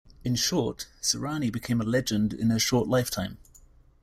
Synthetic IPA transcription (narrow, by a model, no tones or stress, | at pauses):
ɪ̃nʃɔˑtsəɹɑːnibɪkʰẽɪ̃məlɛd͡ʒə̃ndɪ̰̃nəʃɔˑʔlaɪftʰãɪ̃m